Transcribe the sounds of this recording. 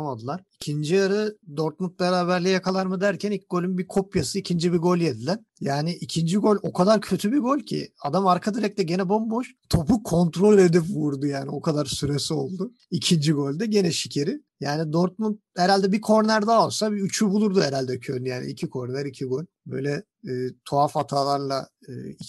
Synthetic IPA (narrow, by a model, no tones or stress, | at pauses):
mad̪ɯlˠaɾicʰind͡ʒiaɾɯd̪o̞ɾt̪̚munt̪̚beɾaːβæɾlʲɛjakʰalˠaɾmɯd̪æɾcʰænic̚ɡo̞lʲynbikʰo̞pjasɯicʰind͡ʒibiɡo̞lʲjed̪ilʲæɾ̥ | jaːniʔicʰind͡ʒiɡo̞lʲo̞kʰad̪aɾcʰø̞t̪ʰybiɡo̞lʲcʰḭad̪amaɾkʰad̪iɾɛc̚t̪ɛɟe̞nɛbo̞mbo̞ʃt̪ʰo̞pukʰo̞nt̪ɾo̞lʲe̞d̪ipvuɾd̪ujaːnio̞kʰad̪aɾsyɾesio̞lˠd̪u | icʰind͡ʒiɡo̞lʲd̪ɛɟe̞nɛʃicʰeɾɪ | jaːnid̪oɾt̪̚munt̪̚hɛɾalʲd̪ɛbikʰo̞ɾnæɾd̪aːolˠsabiyt͡ʃʰybulˠuɾd̪uhɛɾalʲd̪ɛcʰølʲjaːnḭicʰikʰo̞ɾnæɾicʰiɡo̞lʲbø̞̰jlʲɛː | t̪ʰoafat̪ʰaːlˠaɾlˠa | ɯːi